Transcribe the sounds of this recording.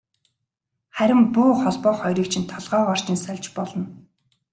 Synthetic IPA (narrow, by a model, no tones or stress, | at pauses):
χæɾʲɪ̆mpʊːχɔɮpɔːχɔjɾʲiːk̚t͡ɕʰĭnt̪ʰɔɮʁœːʁɔr̥t͡ɕɪ̆nsæɮʲt͡ɕpɔɮɞ̆n